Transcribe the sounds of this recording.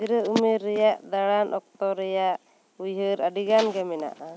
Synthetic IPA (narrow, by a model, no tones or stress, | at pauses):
ɾəumɛɾːɛjaʔd̪aɽanʔɔk̚t̪ɔɾɛjaʔ | ujɦəɾaɖiɡanɡɛmɛna̰ʔa